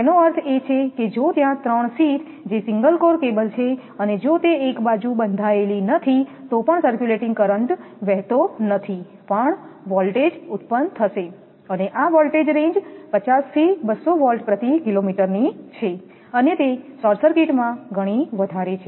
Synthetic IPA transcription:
t̪enoəɾt̪ʰet͡ʃʰeked͡ʒot̪jãt̪ɾəɳ̃sit̪ʰ | d͡ʒesiŋɡəlkoɾkebəlt͡ʃʰe | əned͡ʒot̪eːkbad͡ʒubənd̪ʱaelinət̪ʰit̪opəɳsəɾkjuleʈɪ̃ŋɡkəɾəɳʈʋɛɦt̪onət̪ʰi | pəɳʋɔlʈed͡ʒut̪̚pənt̪ʰəʃe | əneʔaʋɔlʈed͡ʒɾẽɲd͡ʒpət͡ʃast̪ʰibəsːoʋɔlʈpɾət̪ikilomiʈəɾnit͡ʃʰe | ənet̪esɔɾsəɾkeʈmãɡʱəɽ̃iʋəd̪ʱaɾet͡ʃʰe

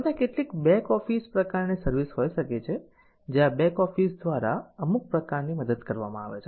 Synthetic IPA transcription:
ət̪ẽkeʈlikbɛ̃kɔfispɾəkaɾnisəɾʋisɦojʃəket͡ʃʰe | d͡ʒeãbɛkɔfisd̪ʋaɾaəmuk̚pɾəkaɾniməd̪əd̪kəɾʋa̰mãa̰ʋḛt͡ʃʰe

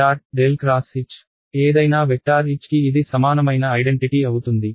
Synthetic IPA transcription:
aːʈ̚ɖeːlkɾaːsit͡ʃː | eːd̪ɐjnaːʋek̚ʈaːɾit͡ʃkiːd̪isɐmaːnɐmɐjnɐːjɖeɳʈiʈiɐwut̪und̪i

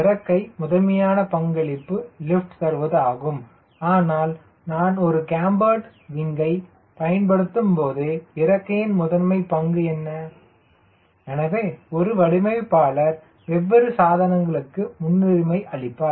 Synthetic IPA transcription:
ɪɾɐkːɐɪmʊðɐmɐjaːnɐpɐŋɡɐɭɪpːɯlɪfʈt̪ɐɾɯʋɐðɯaːɣɯm | aːnaːl | naːnɔɾɯkaːmbaːʈ | ʋɪŋɡɐɪ | pɐjɐnpɐɽɯt̪ːɯmpoːðɯɪɾɐkːɐjɪnmʊðɐɾmɐɪpɐŋɡɯɛnːɐ | ɛnɐʋeːɔɾɯʋɐɽɪmɐɪpːaːlɐɾ | ʋɛʋːɐɾɯsaːðɐnɐŋɡɐɭɯkːɯmʊnːɪɾɪmɐɪʔɐɭɪpːaːɾ

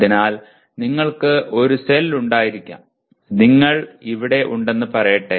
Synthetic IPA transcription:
inaːl | niŋːɐɭkɨʔo̞ɾuselːuɳɖaːjiɾikʲːa̰ | niŋːɐɭiʋiɽe̞ʔuɳɖe̞nːɨpɐrɐjɐʈːe

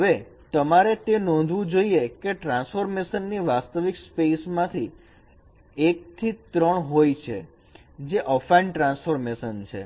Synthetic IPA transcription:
ɦəʋe | t̪əmaɾet̪enɔ̃nd̪ʱʋũd͡ʒoiekeʈɾãnsfoɾmeʃənːiʋast̪əʋikspesmãt̪ʰi | ek̚t̪ʰit̪ɾəɳɦojt͡ʃʰḛ | d͡ʒeʔəfajɳɖʈɾãnsfoɾmeʃənt͡ʃʰḛ

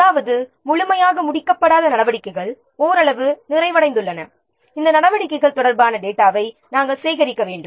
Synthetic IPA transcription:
ɐðaːʋɐðɯ | mʊɻʊmɐjaːɣɐmʊɽɪkːɐpːɐɽaːðɐnɐɽɐʋɐɽɪkːɐɪɣɐɭ | oːɾɐɭɐʋɯnɪrɐɪʋɐɽɐɪnd̪ɯɭːɐnɐ | ɪnd̪ɐnɐɽɐʋɐɽɪkːɐɪɣɐɭt̪ɔɽɐɾbaːnɐɖeːʈːaːʋɐɪ | naːŋɡɐɭseːɣɐɾɪkːɐʋeːɳɖɯ

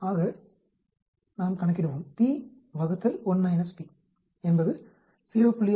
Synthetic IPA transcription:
aːɣɐ | naːmkɐɳɐk̬ːɪɽɯʋoːmt̪iː | ʋɐɣɯt̪ːɐlɔnmɐɪnɐspi | ɛnbɐðɯ | sɪɾɪʋɐpːʊɭːɪj

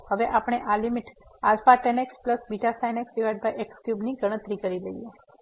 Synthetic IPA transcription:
həʋeʔapəɽ̃eʔalimiʈalfaʈɛnekspləsbiʈasajneksiʋaɖ̚bajʔekskjubniɡəɽ̃ət̪ɾikəɾiləije

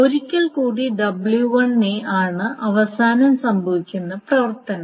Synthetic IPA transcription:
o̞ɾikʲːɐɭkuːɽiɖɐbɭjuʋɐɳeʔaːɳɨʔɐʋɐsaːnɐmsɐmbʱɐʋikʲːunːɐprɐʋɐrt̪ɐnɐm

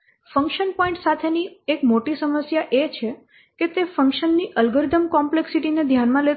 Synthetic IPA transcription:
fə̃ŋkʃənpɔĩɳʈsat̪ʰeniekmoʈisəməsjaʔet͡ʃʰe | ket̪efəŋkʃənːiʔəlɡəɾd̪əmkɔmpleksiʈined̪ʱjanmãlet̪

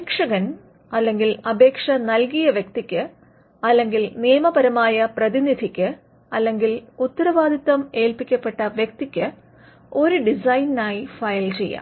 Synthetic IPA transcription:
kʂɐɣɐn | ɐlːe̞ŋɡilɐbʱe̞ːkʂɐnɐlkijɐʋjɐkt̪ikʲːɨ | ɐlːe̞ŋɡilnijɐmɐbɐɾɐmaːjɐprɐðinid̪ʱikʲːɨ | ɐlːe̞ŋɡilut̪ːɐɾɐʋaːd̪ʱit̪ːɐme̞ːlpikʲːɐpːe̞ʈːɐʋjɐk̚t̪ikʲːɨ | o̞ɾuɖisɐjnnaːjifɐjlt͡ɕe̞̰jːɐ̰

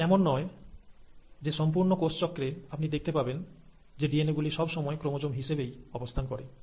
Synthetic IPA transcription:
kɛmonːɔe | d͡ʑeʃɔmpuɾnokost͡ɕɔkːɾeapnid̪ek̚ʰt̪epaben | d͡ʑeɖieneɡuliʃɔbʃɔmɔekɾomod͡ʑomɦiʃebejɔbost̪ʰankɔɾe

